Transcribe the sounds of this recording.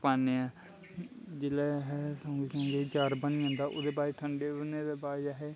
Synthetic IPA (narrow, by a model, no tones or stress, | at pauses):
paːneaː | d͡ʒelɛːɦɛsə̃ŋɡesə̃ŋɡet͡ʃaːɾbəniãːnd̪aːʔoːd̪eːbaːɾiʈʰəɳɖeːbəneːd̪eːbaːeaɦeː